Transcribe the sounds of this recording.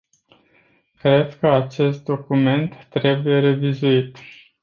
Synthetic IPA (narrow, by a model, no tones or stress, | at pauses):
kɾe̞d̪kəat͡ʃe̞st̪̚d̪o̞kume̞nt̪ːɾe̞buje̞ɾe̞vizuit̪